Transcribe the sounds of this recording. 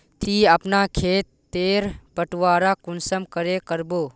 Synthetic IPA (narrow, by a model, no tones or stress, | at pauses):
t̪ʰiəpnakʰeːt̪ːeːɾpəʈʋaːɾakʊnsəmkəɾekəɾboː